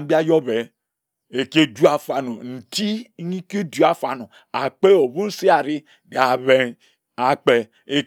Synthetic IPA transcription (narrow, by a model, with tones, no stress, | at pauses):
m˦bi˦a˦jɔ˦βe˨ | e˨ke˦du˦a˨fa˨no˨n̩˨ti˦ɲi˦ke˦du˦a˨fa˨no˨ | a˨k͡pe˦o˨bu˦n̩˦si˦a˨ɾi˦ | ba˨βe˨ | a˨k͡pe˨ | e˨